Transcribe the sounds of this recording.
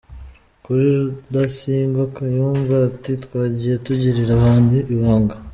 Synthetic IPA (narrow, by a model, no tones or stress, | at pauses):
kuɾiɾudasiːŋɡakajuːɱvatitwaːɟijetuɟiɾiɾaβaːnduʔiβaːŋɡa